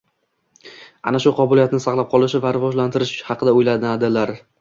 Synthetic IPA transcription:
a̰naʃʊqʰɒbʊlijat̪nɪsɑqlˠap̚qʰɒlˠɪʃɪvaɾɪvɒʒlant̪ɪɾɪʃhɑqʰɨd̪aʊjlad̪ɪad̪ɪlaɾ

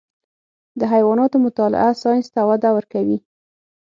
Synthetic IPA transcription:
d̪əɦajwɑnɑt̪omʊt̪ɑlɪ̰ʔasɑjnst̪awad̪awəɾkawi

